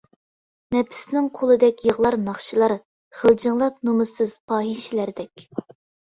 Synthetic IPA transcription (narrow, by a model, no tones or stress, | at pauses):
nɛpʰɪ̥snɪŋqʰolˠɨd̪ɛkʲjəʁlˠɑɾnɑχʃilˠɑɾ | χəlˠd͡ʒɨŋlˠɑp̚numɨsɨz̥pʰɑːɦiʃɪlæɾd̪ɛkʲ